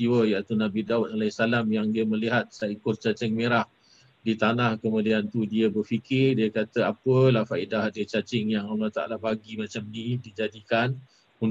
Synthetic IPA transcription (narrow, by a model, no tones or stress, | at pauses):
iwəjaʔt̪unabidaut̪̚alasalamjaŋdiəməliɦat̪̚saəkurt͡ʃat͡ʃɛŋmeɾah | dit̪anahkəmudiant̪udiəbərfikɪrdiəkat̪əapəlahfaʔidahadət͡ʃat͡ʃɪŋjaŋalːaht̪a̰ʔa̰labaɡimãt͡ʃamnĩdid͡ʒadikan | un